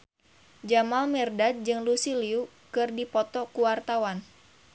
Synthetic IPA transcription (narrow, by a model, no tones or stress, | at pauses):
d͡ʒamalmɛrdad̪̚d͡ʒɨŋlusiliu | kɨrdipɔt̪ɔkuwart̪awan